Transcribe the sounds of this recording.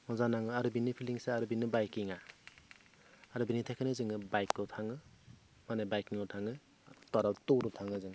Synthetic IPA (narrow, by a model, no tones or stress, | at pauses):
mɔzanaŋɯaɾubinɯpʰiliŋseaɾubinːɯbajkiŋa | aɾubinitʰakʰanɯzɯŋɯbajkːɔtʰaŋɯ | manabajkiŋɔtʰaŋɯ | tɔɾawtɔɾɔtʰaŋɯzɯŋ